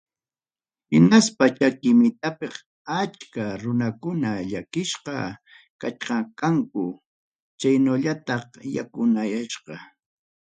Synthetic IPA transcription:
hɪnaspat͡ʃakɪmɪt̪apɪχ | at͡ʃkaɾʊnakʊnaʎakɪʃqɑ̰ | kat͡ʃqɑkaŋkʊ | t͡ʃajnoʎat̪ɑχja̰kʊnajaʃqɑ

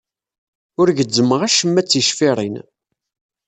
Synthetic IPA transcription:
ʊɾʝəd͡zːəməʁæʃəmːæt͡sːiʃfiɾˤin

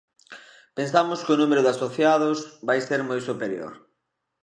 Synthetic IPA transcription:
pensamʊskɪʊnumeɾʊðasoθjaðʊsβajseɾmojsupeɾjo̰ɾ

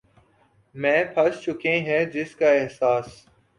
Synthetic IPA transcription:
mɛ̃ːpʰəst͡ʃʊkẽːɦɛ̃ːd͡ʒɪskaːɪɦsaːs

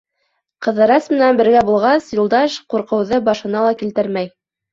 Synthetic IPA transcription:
qɤ̆ðɤ̆ɾɑsmɘ̆nænbɘ̆ɾɡæbulˠʁɑsjulˠd̪ɑʃquɾqɤ̆wðɤbɑʃɤ̆nɑlˠɑkilt̪ɘɾmæj

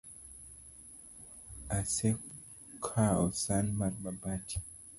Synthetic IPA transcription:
ase | kʰaɔsanmat̚babatʰi̥

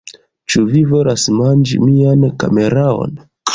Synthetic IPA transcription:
t͡ʃuvivo̞lasmand͡ʒḭmianka̰me̞ɾao̞̰n

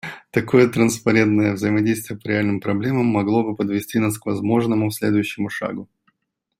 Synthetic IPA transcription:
t̪ɐko̞jət̪ɾənspɐɾʲe̞nt̪nəjəvzəjɪmɐdʲejst̪vʲɪjəpəɾʲɪalʲnɨmpɾɐblʲe̞məmːɐɡlˠo̞bɨpəd̪vʲɪsʲtʲinaskvɐzmo̞ʐnəmʊfsʲlʲe̞d̪ʊjʉɕːɪmʊʂa̰ɡʊ

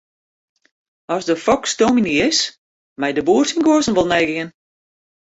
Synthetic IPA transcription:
ɔsdəfɔkstominiɪs | mɛjdəbuərsinɡoəsən̩ʋɔlˠnɛjɡən

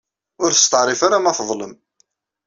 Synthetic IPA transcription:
ʊɾθə̥st̪əʕɾˤifaɾamæfəðˤləm

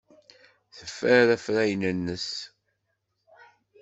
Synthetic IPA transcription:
θəfːəɾæfɾæjnənːəs

